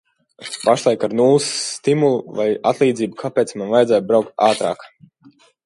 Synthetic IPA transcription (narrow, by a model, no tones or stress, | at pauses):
paʃlˠajkaɾnulˠsːt̪imulˠuvaja̰t̪lˠiːd̪ziːbukʰapeːt̪smanvajd̪zæːj̪̚bɾawk̚t̪̚aːt̪ɾa̰ːk